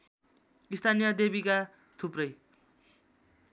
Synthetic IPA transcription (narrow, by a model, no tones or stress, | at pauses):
ist̪ʰanijʌd̪ebika | t̪ʰuprʌj